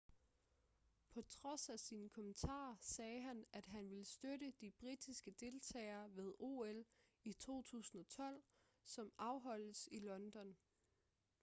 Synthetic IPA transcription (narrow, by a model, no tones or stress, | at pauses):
pʰɒ̽t͡sʰʁɒ̽sæsiːnəkʰɒ̽mənt͡sʰɑ̰̈ːsɛːɦænæd̥ɦænʋe̝lsd̥øɾəd̥ib̥ʁid̥isɡ̥əd̥e̝lt͡sʰɛ̰ːɪɐːʋe̝ð̞ˠo̝̰elit͡sʰo̝̰ːt͡sʰṵːsn̩ɒ̽t͡sʰɒ̽l̰ | sɒ̽mɑ̈ʊɦɒ̽l̰əsilɒ̽nd̥ɒ̽n